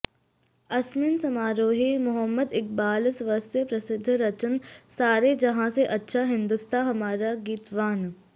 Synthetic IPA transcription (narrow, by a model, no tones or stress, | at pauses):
ɐsminsɐmaːɾoːɦimʊɦəmːəd̪ɪk̚baːlsʋɐɾsepɾɐsɪd̪ʱːɾɐt͡ʃənsaːɾed͡ʒɐɦãseʔɐtːʃʰaɦɪ̃nd̪ʊst̪ʰaɦɐmaːɾaɡiːt̪ʋaːn